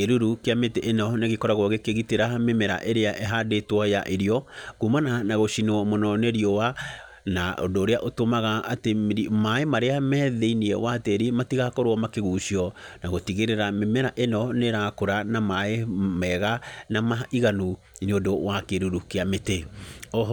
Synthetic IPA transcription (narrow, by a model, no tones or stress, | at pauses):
keɾuɾukeameteʔenɔneɣekɔɾaɣwɔɣekeɣiteɾamemɛɾa̰ʔeɾeaʔɛɦadetwɔja̰ʔeɾiɔɣumananaɣoʃinɔmɔnɔneɾiɔwa | na̰o̰ndoːɾeaʔotomaɣaʔatemɾimaemaɾeamɛːðeiniɛ̰wateɾimatiɣakoɾwɔmakeɣuːɕiɔnaɣotiɣeɾeɾamemɛɾaʔenɔneɾakoɾanamaemɛɣanamaiɣanu | neodowakeɾuɾukeameteɔ